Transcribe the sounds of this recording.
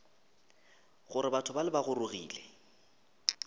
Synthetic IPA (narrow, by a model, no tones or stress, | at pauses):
ɣʊɾɪbatʰʊbalɪbaɣʊrʊɣḭːlɛ